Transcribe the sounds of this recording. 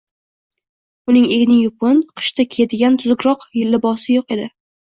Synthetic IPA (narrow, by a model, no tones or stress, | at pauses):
ʊnɪŋeɡʲnɪŋjʊpʊnqʰɨ̥ʃt̪ʰakʲʰed̪ɪɡʲant̪ʰʊzʊkɾɒqjɪlːɪbɒsɪjoqe̞d̪ɪ